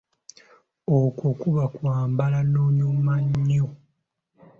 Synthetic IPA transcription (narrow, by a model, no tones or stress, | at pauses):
okokuβakwaːmbalanoːɲumaɲːo